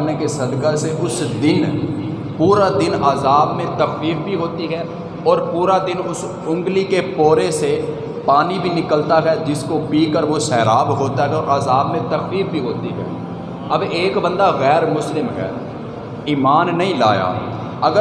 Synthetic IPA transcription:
nekesɐd̪kaseʔʊsd̪ɪn | puːɾad̪ɪnaːzaːbmẽt̪ɐffiːfbʱiɦoːt̪iɦɛː | ɔːɾpuːɾad̪ɪnʊs | ʊ̃ŋɡlikepoːɾese | paːnibʱinɪkəlt̪aɦɛd͡ʒɪskopiːkəɾʋosɛːɾaːbɦoːt̪aɦɛɔɾʔaːzaːbmẽt̪ɐkfiːf̚bʱiɦoːt̪iɦɛ̰ː | ɐbeːkbə̃nd̪aɣɛːɾmʊslɪmɦɛ̰ː | iːmaːnːɐɦĩla̰ːja̰ː | ɐɡə

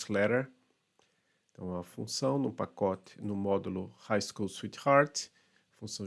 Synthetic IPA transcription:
slɛɾeɾ | t̪ɐ̰̃w̃ɛɐfṵ̃sɐ̃w̃nʊpakɔt̪ɪ̥nʊmɔd̪ulʊhajskulswit̪haɾt̪ | fũsɐ̃w̃

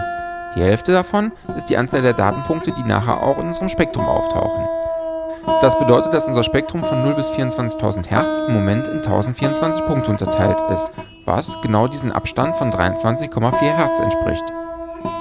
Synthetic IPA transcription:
d̥iːhɛlftədafɔnʔɪstd̥iːʔant͡saːldeːɐda̰ːtn̩pʰʊŋk̚tədiːna̰ːχḛɐʔa̰ʊxɪnʔʊnzəʁəmʃpɛk̚tʁ̥ʊmʔa̰ʊftʰa̰ʊxn̩ | d̥asb̥ədɔʏtət̚d̥asʔʊnzɐʃpɛk̚tʁ̥ʊmfɔnːʊlbɪsfiːɐʊnt͡sv̥ant͡sɪçtʰaʊzn̩thɛɐt͡sɪmːomɛntɪmtʰaʊzn̩tfiːɐʊnt͡sv̥ant͡sɪçpʰʊŋk̚tʰəʊntɐtʰaɪltɪ̰st | va̰sɡ̥ənaʊdiːzn̩ʔa̰pʃtantfɔndʁa̰ɪʊnt͡sv̥ant͡sɪçkʰɔmafiːɐɦɛɐt͡sɛ̰ntʃpʁ̥ɪ̰çt

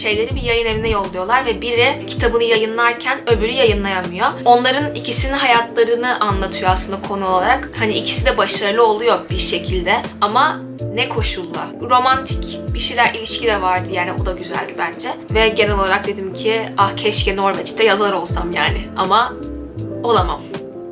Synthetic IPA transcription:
ʃe̞jlʲe̞ɾibijajɯnevinɛjo̞lˠːujo̞lˠaɾvɛbiɾɛcʰi̥t̪ʰabɯnɯjajɯnlˠaɾcʰænø̞bylʲyjajɯnlˠajanmɯjoo̞nlˠaɾɯnicisininɦajat̪ʰlˠaɾɯnɯʔanlˠat̪ʰɯjoasɯnd̪akʰo̞nuolˠaɾakhaniicʰi̥sid̪ɛbaʃaɾlˠɯo̞lˠujo̞biɾʃe̞cʰilʲd̪ɛama | nɛkʰo̞ʃulˠːaɾo̞mant̪ʰi̥cb̥iʃejlʲæɾʔilʲiʃcid̪ɛvaɾd̪ɯjæɾd̪ʲɛbud̪aɟyzæ̰lʲd̪ibænd͡ʒɛvɛɟenɛlʲo̞lˠaɾak̚d̪e̞d̪imcʰiahcʰɛʃcɛno̞ɾmet͡ʃʰi̥t̪ʰːɛjazaɾo̞lˠsamjaːnɪa̰ma | o̞lˠama̰m

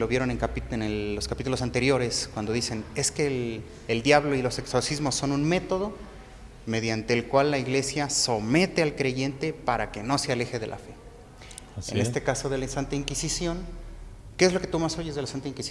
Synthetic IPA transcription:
loβje̞ɾo̞neŋkapienelːoskapit̪ulo̞s̬ant̪e̞ɾjo̞ɾe̞skwand̪o̞ðise̞ne̞ske̞ː | ld̪jaβlo̞ilo̞se̞kso̞sizmosːo̞nũnme̞t̪o̞ðo̞ | me̞ð̞jant̪e̞ːlkwalːaiɣle̞sjaso̞me̞t̪e̞alkɾe̞ʝe̞nt̪e̞paɾake̞no̞seale̞xe̞ðe̞lʔa̰fe̞ | sennest̪e̞kaso̞ðe̞lainsant̪aiŋkisisjo̞ŋ | keezlo̞ke̞t̪umaso̞ʝezðelasant̪aiŋkisi

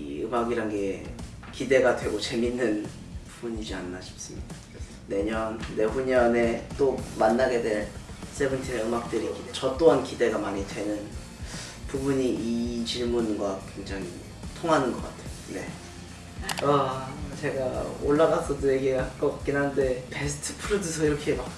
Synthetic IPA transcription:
ɯmaɡiɾanɡe̞ | kide̞ɡadwe̞ɡot͡ɕe̞minːɯn | pubuɲid͡ʑianːaɕʰi̥p̚s͈ɯmḭ | ne̞ɲʌnːe̞ɸuɲʌne̞t͈omanːaɡe̞dwe̞ɭs͈e̞bɯntʰieɯmak̚t͈ɯɾikidet͡ɕʌt͈oɦankide̞ɡamaɲidwe̞nɯn | pubuɲiit͡ɕiɭmunɡwakwe̞ŋd͡ʑaŋḭ | tʰoŋɦanɯnɡʌk͈a̰tʰe̥jone̞ | at͡ɕe̞ɡaoɭːaɡasʰʌdoje̞ɡeak͈ʌk͈inɦande̞pe̞sʰɯ̥tʰɯ̥pʰɯɾɯdɯsʰʌiɾʌkʰe̞mak̚

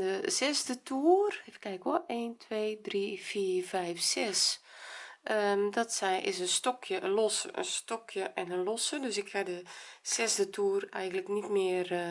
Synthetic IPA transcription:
dəzɛzdətʰuːərkɛnɪkʋɔleːntʰʋeːdrifiːrvɛjfsɛs | ədɔtsɛjʔɪ̰sənstɔkʰjəʔəlɔsəʔə̰nstɔkʰjəʔɛnəlɔsədøsɪkhadəz̥ɛzdətʰuərɛjɣən̩ləknitmɪər

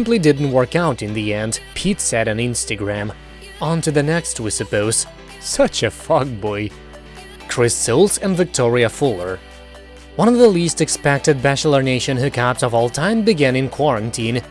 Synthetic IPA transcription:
sɪ̃mplidɪdⁿn̩ʔ̚wɜ˞kaʊɾɨ̃nðiɛ̃nd̥pʰitsɛɾɨ̃nɪ̃nstɨɡɹæ̃m | ɑ̃ntʰʉðɨnɛkst̚wisɨpoʊz̥ | sʌt͡ʃɨfɑɡ̚bɔɪ | kʰɹ̥ɪsɪlˠsɨ̃nvɨk̚tʰɔɹiɨfulˠə˞ | wʌ̃ñʌvðəlistɨkspɛk̚tɨd̚bæʃl̩ˠə˞neɪʃɨ̃nhʉkʰæpsʌvɔlˠtʰãɪ̃mbɨɡæ̃nɨ̃nkʰw̥ɑɹɨ̃ntʰĩn

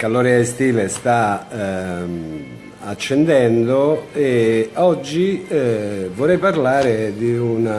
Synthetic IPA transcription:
kalɔɾɛaest̪iːlest̪a | at͡ʃːend̪ɛnd̪oeɔd͡ʒːi | vorːɛjparlaːɾed̪iuna

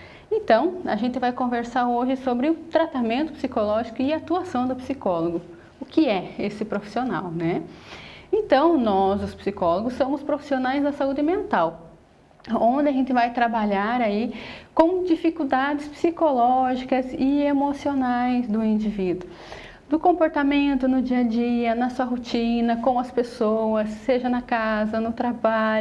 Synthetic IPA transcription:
ẽnt̪ɐ̃w̃a̰ʒẽnt̪ɪvajkõveɾsaɾoʒɪsobɾɪʊt̪ɾat̪amẽnt̪ʊpsikolɔʒikʊɪaːt̪uasɐ̃w̃d̪ʊpsikɔloɡʊ | ʊkɪɛesɪpɾofi̥siona̰wnɛ | ẽnt̪ɐ̃w̃nɔzʊspsikɔloɡʊsːõmʊspɾofi̥sionajzd̪ɐsaud͡ʒɪmẽnt̪aw | õd̪ɪɐʒẽnt̪ɪvajt̪ɾabaʎaɾaikõw̃d͡ʒifikud̪ad͡ʒɪspsikolɔʒikɐzɪemosionajzd̪ʊĩd͡ʒivid̪ʊ | d̪ʊkõpoɾt̪amẽnt̪ʊnʊd͡ʒiɐd͡ʒiɐnɐsuɐɦot͡ʃĩnɐkõw̃ɐspesowɐsːeʒɐnɐkazɐnʊt̪ɾabaʎʊ

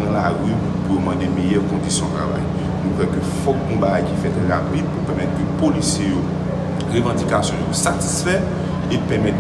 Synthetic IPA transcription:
ãlaʁy | pujomɑ̃demejœʁkɔ̃disjɔ̃t̪ʁa̰va̰j | nũkwɛkøfɔkɔ̃baɡajkifɛt̪ʁapid̪̚pupɛʁmɛt̪̚køpolisjejo | ʁevɑ̃dikasjɔ̃josati̥sfɛ | epɛʁmɛt̪

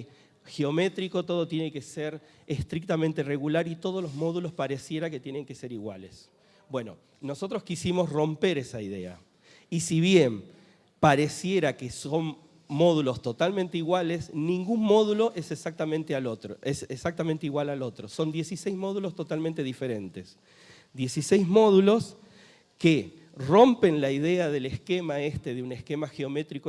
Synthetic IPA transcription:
xeo̞me̞t̪ɾiko̞t̪o̞ðo̞t̪je̞ne̞ke̞seɾ | est̪ɾik̚t̪ament̪ere̞ɣulaɾit̪o̞ð̞olozmo̞ðulo̞spaɾe̞sje̞ɾaket̪je̞ne̞ŋke̞se̞ɾiɣwa̰le̞s | bwe̞no̞̰ | no̞so̞t̪ɾoskisimo̞sro̞mpe̞ɾesaiðe̞a̰ | isiβ̞je̞m | paɾe̞sje̞ɾakeso̞n | mo̞ð̞ulo̞st̪o̞t̪almẽnt̪eiɣwale̞snĩŋɡunmo̞ðulo̞ʔeseksak̚t̪amẽnt̪ealo̞t̪ɾoʔeseksak̚t̪ament̪eiɣwalalo̞t̪ɾo̞so̞nd̪je̞sisejzmo̞ð̞ulo̞st̪o̞t̪almẽnt̪e̞ðife̞ɾe̞nt̪e̞s | d̪je̞sisejzmo̞ðulo̞s | ke | ro̞mpe̞nlaiðe̞aðeleske̞maest̪e̞ðeune̞ske̞maxeo̞me̞t̪ɾiko

